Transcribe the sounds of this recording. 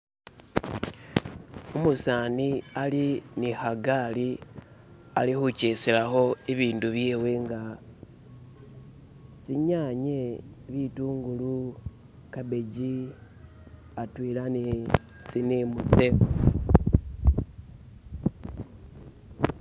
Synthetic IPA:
umusaːnialinixaɡaːli | alixuceselaxo̞iβiːnduβjeːwe̞ŋɡa | t͡siɲaːɲeβituːŋɡulu | kabe̞ɟi | atwiːlani | t͡sinimut͡se̞

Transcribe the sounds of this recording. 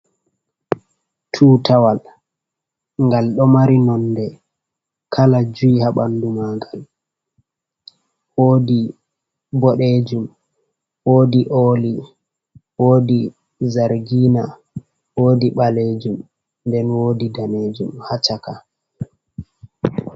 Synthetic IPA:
tʰuːtʰawal | ŋɡalɗɔmaɾinɔnːdɛ | kʰalad͡ʒuihaɓandumaɡal | woːdi | bɔɗed͡ʒum | woːdiʔoːli | woːdi | zaɾɡiːna | woːdiɓaleːd͡ʒum | ndɛnwoːdidaneːd͡ʒumhat͡ʃaka

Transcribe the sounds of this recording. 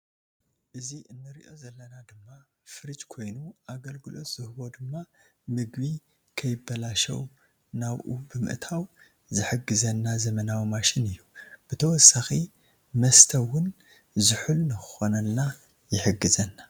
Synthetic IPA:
ʔɨziɨnːɨɾiʔo̞zɐlːɐnad̪ɨmːa | fɨɾit͡ʃkʰo̞jnuʔaɡɐlɡɨlo̞t̪z̥ɨhɨβo̞d̪ɨmːa | mɨɡbi | kʰɐjɪbːɐlaʃɐ̰w | naβʔubɨmɨ̰ʔt̪ʰaw | zɨħɨɡɨzɐnːazɐmɐnawimaʃɪnɨjːub̥ɨt̪ʰɐwɔsaxi | mɐst̪ʰɐwʊn | zɨħulnɨxɨxo̞nɐnːa | jɪħɨɡːɨzɐnːa

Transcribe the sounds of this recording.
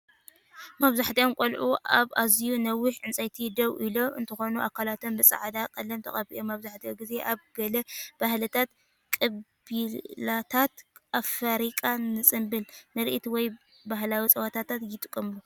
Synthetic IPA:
maβzaħt̪ʰijomkʷʼolʕuʔaβazijunɐwːɪħʕɨnt͡sʼajt̪ʰid̪ɐwʔilo̞ʔɨ̰nt̪ʰɨxo̞nuʔa̰kʰːalat̪ʰombɨsʼa̰ʕd̪akʼɐlːɐmt̪ʰɐ̰χʼɐβḭʔomaβzaħt̪ʰioɡize̞ʔaβɡɐlɐb̥ahlɨt̪ʰat̪ | kʼɐbilat̪ʰat̪ʔafɐɾikʼanɨsʼɨmbɨlnɨɾʔit̪wɔj | baɦlawit͡sʼɐwat̪ʰat̪ʰat̪jɪt̪ʼɨkʼːɐmlu

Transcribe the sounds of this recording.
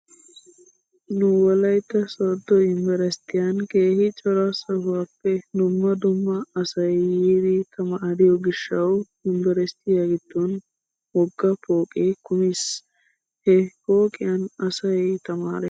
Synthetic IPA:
nʊwɐlɐjt̪ːɐsɔd̪ːɔɪmbɛɾɛst̪ɪjɐnke̞ːhɪt͡ʃʼɔɾasɐhʊwaːpːɛd̪ʊmːɐd̪ʊmːɐːsɐjjiːd̪ɪt̪ʰɐmaːdɪjɔɡɪʃːɐw | ɪmbɛɾɛst̪ɪjaɡɪt̪ːɔn | wɔɡːɐpoːkʼɛkʊmɪs | hɛpoːkʼɪjɐnɐsɐjt̪ɐma̰ːɾɛ

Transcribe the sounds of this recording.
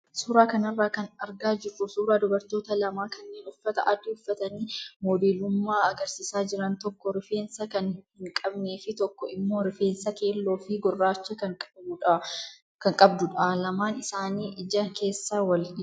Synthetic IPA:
suːɾaːkɐnɐrːaːkɐnɐɾɡaːd͡ʒɪrːʊsuːɾaːd̪ʊbɐɾt̪o̞ːt̪ɐlɐmaːkʰɐnːe̞ːnʊfːɐt̪ɐʔɐd̪ːɪʊfːɐt̪ɐniːmoːd̪eːlʊmːaːɐɡɐɾsiːsaːd͡ʒɪɾɐnt̪ɔkːɔɾɪfe̞ːnsɐkɐnhɪŋkʼɐbne̞ːfɪt̪ɔkːɔʔɪmːo̞ːɾɪfe̞ːnsɐke̞ːlːo̞ːfɪɡɔrːaːt͡ʃːɐɐᶑ | kɐŋkʼɐbd̪ʊᶑɐlɐmaːnɪsaːniːʔɪd͡ʒɐŋke̞ːsːawɐlɪ

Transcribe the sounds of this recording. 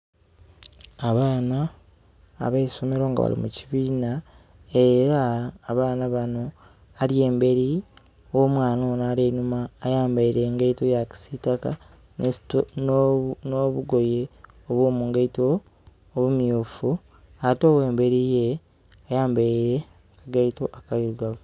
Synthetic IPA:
aβaːna̰ː | βeiso̞me̞ɾo̞ːŋɡa̰βa̰lḭmuciβiːna | e̞ɾaːβaːnaβano̞ | alie̞ːmbe̞ɾi | woːmwaːnonaɾeːnumaːjaːmbaiɾe̞ːŋɡaitojaci̥sitaka | nestonnoβuɡo̞je̞ | oβwoːmuːŋɡaitoː | βumjuːfu | ato̞ːwe̞ːmbe̞ɾije | ajaːmbaiɾe̞ | kaɡaito̞ʔakaiɾuɡaβo

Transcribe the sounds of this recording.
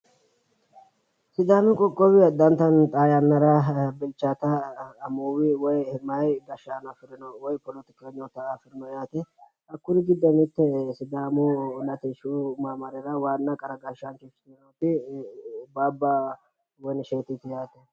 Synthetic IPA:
sɪd̪aːmɪkʼɔkʼːɔwɪɐd̪ːɐnt̪ɐnt̪ʼaːjɐnːɐɾɐbɪlt͡ʃːaːt̪ɐːmuːwɪwɔjhɪmajɡ̪ɐʃaːnɐfɪɾɪnɔwɔjpɔlɔt̪ɪ̥keɲːɔt̪ɐfɪɾnɔjaːt̪ɛ | ɐkːʊɾɪɡɪd̪ːɐnɪt̪ːɛsɪd̪aːmʊlɐt̪ɛʃumaːmɐɾɛɾɐwaːnːɐkʼɐɾɐɡaʃankeːʃɪ̥nɐnot̪ɪ | baːbːaː | wɔjnʃeːt̪ɪt̪ɪjaːt̪ɛ

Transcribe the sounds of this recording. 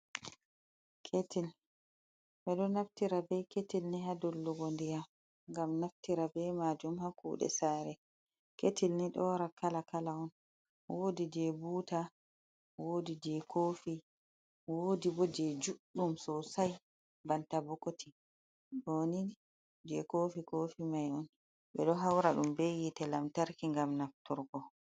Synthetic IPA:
kʰetil | bɛɗɔnaftiɾabɛketilniɦadɔlːuɡondija | ŋɡamnaftiɾabɛmad͡ʒumhakṵːɗɛ̰saːɾɛ | ketʰilniɗɔːɾakʰalakalaɔn | wʔoːdid͡ʒɛbuːta | woːdid͡ʒɛkoːfi | woːdibɔd͡ʒɛd͡ʒuɗːumsɔsaj | bantabɔkotʰi | ɗoni | d͡ʒɛkoːfikoːfimajɔn | ɓɛɗɔɦawɾaɗumbejitɛlamtaɾkiŋɡamnaftuɾɡɔ

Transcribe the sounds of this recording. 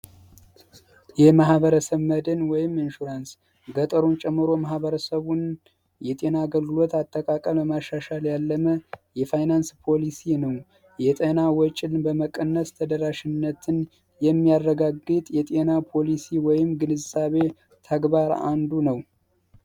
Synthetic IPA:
jɛmahβəɾəsəβməd̪ɨnwɔjɪmɨnʃuɾans | ɡət̪ʼəɾunt͡ʃʼɛmːɨɾo̞mahβəɾəsəβun | jɛt̪ʼe̞naːɡəlɡɨlo̞t̪at̪ʼːəkʼakʼəməmaʃːaʃaljalːəməjɛfajnanspʰo̞lisinəw | jɛt̪ʼenawɔt͡ʃʼɪlbəməkʼənːəst̪ʰəd̪əɾaʃɪnːət̪ʰɨn | jɛmːijarːəɡaɡːɨt̪ʼjɛt̪ʼe̞napʰo̞lisiwɔjɪmɡɨnɨzaβe̞ | t̪ʰəɡbaɾa̰nd̪unəw

